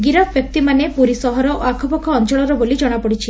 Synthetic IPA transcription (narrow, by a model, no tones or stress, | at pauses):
ɡiɾɔbbjɔk̚t̪imanepuɾisɔɦɔɾɔʔoakʰɔpɔkʰɔːnt͡ʃɔɭɔɾɔbolid͡ʒɔɽ̃apɔɽit͡ʃʰi